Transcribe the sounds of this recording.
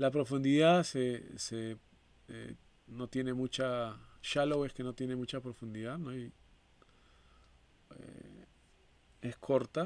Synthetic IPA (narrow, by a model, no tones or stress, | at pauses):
lapɾofund̪iðaðsese | e | not̪jenemut͡ʃaʃalowehkenot̪jenemut͡ʃapɾofund̪iðaðnoj | ḛ | eskʰoɾt̪a